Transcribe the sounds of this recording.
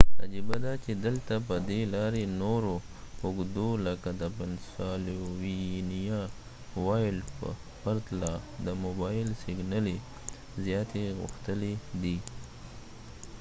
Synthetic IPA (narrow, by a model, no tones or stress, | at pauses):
a̰d͡ʒibad̪ɑt͡ʃed̪əlt̪apəd̪elɑɾenoɾo | ʊɡd̪oləkad̪əpɪnsɑlowinija | wɑjlpə̰ | paɾt̪lɑd̪əmobɑjɪlsɪɡnale | zjɑt̪eɣʊ̰xt̪əled̪i